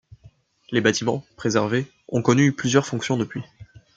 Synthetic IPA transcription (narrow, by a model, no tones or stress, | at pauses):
lebat̪imɑ̃pχezɛʁve | ɔ̃kɔnyplyzjœʁfɔ̃ksjɔ̃d̪əpɥi